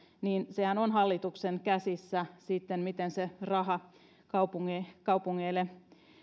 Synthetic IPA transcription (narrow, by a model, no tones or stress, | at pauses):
niːnsehænonhɑlːit̪ukseŋkæsisːæsiːt̪ːenmit̪enserɑhɑ | kɑupuŋːekɑupuŋːeːlːe